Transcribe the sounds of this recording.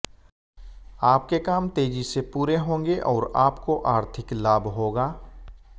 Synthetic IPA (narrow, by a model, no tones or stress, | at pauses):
aːp̚kekaːmt̪eːd͡ʒisepuːɾeɦõːŋɡeʔɔːɾaːpkoʔaːɾt̪ʰɪklaːbɦoːɡaː